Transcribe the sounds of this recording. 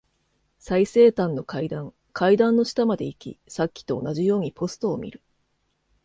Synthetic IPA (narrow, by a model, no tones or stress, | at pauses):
saise̞ːt̪ãnːo̞kaid̪ãŋ | kʰaid̪ãnːo̞ɕi̥t̪amad̪e̞ikʲḭsakʲːi̥t̪o̞̰ːnaʑijo̞ːɲ̟ipʰo̞sɨ̥t̪o̞ːmʲḭɾɯ̟